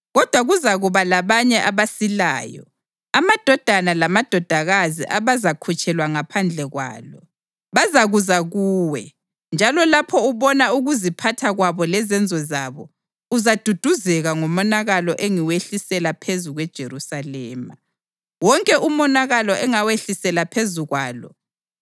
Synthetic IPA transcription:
ɣɔd̥ʱwaɣuzaɣuβalaβaɲɛʔaβasila̰ːjɔ̰ | amad̥ʱɔd̥ʱanalamad̥ʱɔd̥ʱaɣazḭʔaβazakʰut͡ʃʼʰɛlwaŋapʰand͡ɮʱɛɣwa̰ːlɔ | βazaɣuzaɣuːwɛ | nd͡ʒʱalɔlapʰɔuβɔnauɣuzipʰatʰaɣwaβɔlɛzɛnd͡zʱɔzaβɔ | uzad̥ʱud̥ʱuzɛɣaŋɔmɔnaɣalɔʔeŋiweɬisɛlapʰezuɣwɛd̥ʒ̥ʱeɾusalɛːma̰ | wɔŋkʼɛʔumɔnaɣalɔʔɛŋaweɬisɛlapʰezuɣwaːlɔ̰

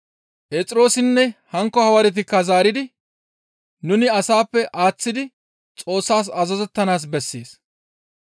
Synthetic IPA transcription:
pʼeːt͡sʼɪɾo̞ːsɪnːɛhɐŋkːɔhɐwɐɾɛt̪̬ɪkːɐzaːɾɪd̪ɪ | nʊnɪɐsaːpːɛʔaːt͡sːɪd̪ɪ | t͡sʼo̞ːsːaːs̬ɐzɐzɛt̪ːɐnaːs̬bɛsːḛːs

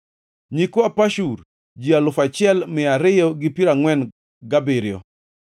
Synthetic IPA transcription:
ɲikoapaʃuɾ | d͡ʒialʊfat͡ʃɪɛlmɪaɾɪjɔɡɪpiɾaŋwɛn | ɡabɪɾɪɔ̰

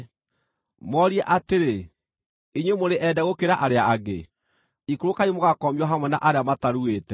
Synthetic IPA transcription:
mɔɾiɛʔateɾe | iɲwemoɾeʔɛdaɣokeɾaʔaɾeaːɣe | ikoɾokaemoɣakɔmiwɔɦamwɛnaʔaɾeamataɾueːtɛ

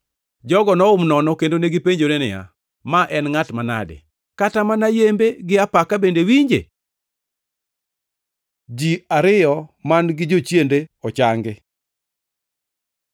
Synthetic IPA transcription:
d͡ʒɔɡɔnɔʊmnɔnɔkendoneɡɪpeɲd͡ʒonenɪja̰ | maʔɛnŋatmana̰dɪ̰ | katamanajembeɡɪapakabendewiɲd͡ʒḛ | d͡ʒiaɾɪjɔmanɡɪd͡ʒot͡ʃjendeɔt͡ʃaŋɡɪ

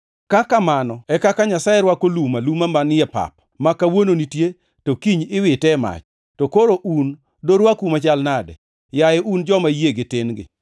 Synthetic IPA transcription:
kakamanɔɛkakaɲasajeɾwakolumalumamanɪjɛpa̰p̚ | makawononitje | tokiɲɪwɪtɛma̰t͡ʃ | tokoɾoʔun | doɾwakumat͡ʃalnadɛ̰ | jajɛʔund͡ʒɔmajeɡetenɡɪ̰

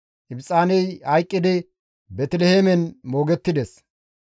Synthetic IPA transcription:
ʔɪbsʼaːnɛjhɐjkʼːɪd̪ɪ | bɛt̪ɪlɛheːmɛnmo̞ːɡɛt̪ːɪd̪ɛs

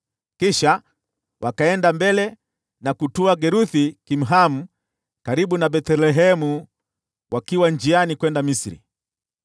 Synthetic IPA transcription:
kiʃa | wʔakaɛndambɛlɛ | nakutuaɡɛɾuθikim̩ɦamu | kaɾiɓunabɛtɛlɛɦɛmu | wʔakiwand͡ʒianikwɛndamisɾḭ

